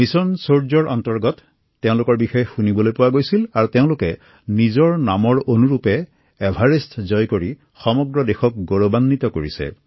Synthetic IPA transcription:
misɔnsoɹzɔɹʔɔntɔɹɡɔtː | eʊ̃lʊkɔɹbixɔjxunibɔlojpʊwaɡojsilaɹuteʊ̃lʊkɛ | nizɔɹnamɔɹonuɹupɛː | bʱaɹestʰzɔjkoɹi | xɔmɔɡɹɔdexɔk̚ɡoɹobanːitɔkoɹisɛ̰

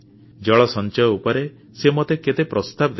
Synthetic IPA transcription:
d͡ʒɔɭɔsɔnt͡ʃɔjɔupɔɾe | semɔt̪eket̪epɾɔst̪abd̪

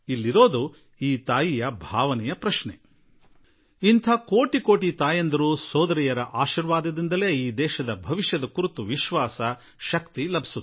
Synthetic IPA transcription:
ilːiɾo̞ːd̪u | iːt̪aːjijɐbʱaːʋɐnɛjɐpɾɐʃɳḛ | int̪ʰɐko̞ːʈiko̞ːʈit̪aːjɐnd̪ɐɾuːsɔːd̪ɐɾijɐɾɐʔaːʃiɾʋaːd̪ɐd̪ind̪ɐle̞ːiːd̪ɛːʃɐd̪ɐbʱɐʋiʃjɐd̪ɐkuɾut̪uʋiʃʋaːsɐ | ʃɐkt̪ilɐbʱi̥su

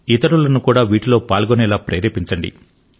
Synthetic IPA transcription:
it̪ɐɾulɐnukuːɽaːʋiːʈulo̞ːpaːlɡonɛːlaːpɾeːɾepiɲt͡ʃɐɳɖḭ

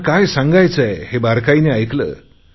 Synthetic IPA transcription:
kajsãŋɡajt͡səehebaɾkaineajklə̰ː

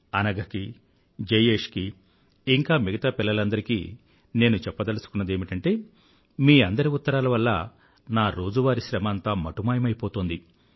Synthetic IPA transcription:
ɐnɐɡɐki | d͡ʒejeːʂkiː | ŋkaːmiɡɐt̪aːpilːɐlɐnd̪ɐɾikḭː | ne̞ːnut͡ʃɛpːɐd̪ɐlusu̥kunːɐd̪eːmiʈɐɳʈe̞ː | miːɐnd̪ɐɾiut̪ːɐɾaːlɐʋɐlːɐ̰ | naːɾo̞ːd͡ʒuʋaːɾiʃɾɐmɐnt̪aːmɐʈumaːjɐmɐjipoːt̪oːnd̪i

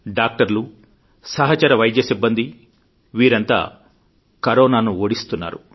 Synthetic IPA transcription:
ɖaːk̚ʈɐɾlu | sɐɦɐt͡ʃɐɾɐʋɐjd̪jɐsibːɐnd̪i | ʋiːɾɐnt̪a̰ː | kɐɾɔːnaːnuoːɽist̪unːa̰ːɾu

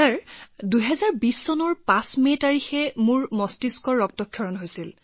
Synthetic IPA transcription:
taɹduɦɛzaɹbisːɔnɔɹpãsmetaɹixɛmʊɹmɔstiskɔɹːɔk̚tɔkʰːjɔɹɔnɦojsil

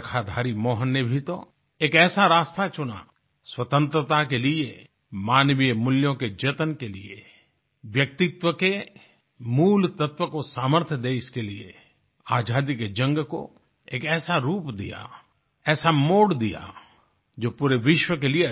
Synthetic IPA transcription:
kʰad̪ʱaːɾimɔːɦənːebʱit̪o | eːkɛːsaɾaːst̪at͡ʃʊna̰ | swɐt̪ə̃nt̪ɾət̪akelie | maːnʋijmʊljõked͡ʒet̪ənkeliḛ | ʋjɐk̚t̪ɪt̪ʋəke | muːlt̪ət̪ʋəkosaːməɾt̪ʰjəd̪eɪskeliḛ | aːd͡ʒaːd̪iked͡ʒɐ̃ŋɡko̰ | eːkɛːsaɾuːpd̪ḭja̰ | ɛːsamoːɽd̪ija̰ | d͡ʒoːpuːɾeʋɪʃwəkelie

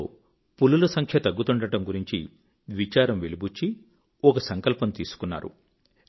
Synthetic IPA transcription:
pululɐsɐŋkʰjɐt̪ɐɡːut̪uɳɖɐʈɐmɡuɾiɲt͡ʃḭ | ʋit͡ʃaːɾɐmʋelibut͡ʃːi | ɔkɐsɐŋkɐlpɐmt̪iːsu̥kunːa̰ːɾṵ

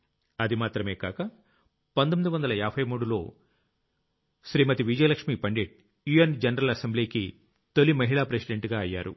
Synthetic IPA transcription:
ɐd̪imaːt̪ɾɐme̞ːkaːkɐ | pɐnt̪omid̪uʋɐnd̪ɐlɐaːbʱɐjmuːɽulo̞ː | ʃɾiːmɐt̪iʋid͡ʒɐjlɐkʂmiːpɐɳɖeːʈ̚ | juend͡ʒɐnɐɾɐlɐsembliːki | t̪olːimɐɦiɭaːpɾesiɖeɳʈɡaːɐjːa̰ːɾṵ

